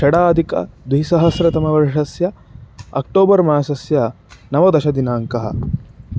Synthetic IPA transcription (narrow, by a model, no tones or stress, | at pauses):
ʃɐɽaːd̪ʱikɐ̰d̪ʋisɐɦɐsɾɐt̪ɐmɐʋɐɾʂɐsjɐɐ̰k̚ʈoːbɐɾmaːsɐsjɐ | nɐʋɐd̪ɐʃɐd̪inaːŋkɐɦɐ̰